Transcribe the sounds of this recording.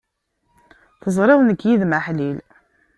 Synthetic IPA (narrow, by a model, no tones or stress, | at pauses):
θəzˤɾˤɑwnəkːjiðməħlil